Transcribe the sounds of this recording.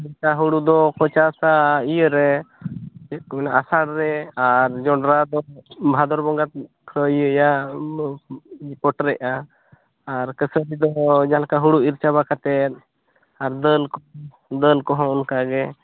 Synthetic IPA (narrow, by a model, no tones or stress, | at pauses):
iɾt͡ʃaɦuɽud̪ɔkɔt͡ʃasaijəɾɛ | ɛmɛnaʔasaɽɾɛaɾd͡ʒɔɳɖɾad̪ɔbʱad̪ɔɾbɔŋɡat̪̚ | kʰɾəijəja | pɔʈɾɛʔaː | ɾkəsəɾid̪ɔd͡ʒalakaɦuɽuiɾt͡ʃaβakat̪ɛt̪̚ | aɾd̪əlkɔ | d̪əlkɔɦɔ̃ɔnkaɡɛ